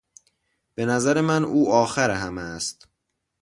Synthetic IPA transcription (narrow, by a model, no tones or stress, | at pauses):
b̥e̞næzæɾe̞mænʔuːʔɒːxæɾeɦæmæst̪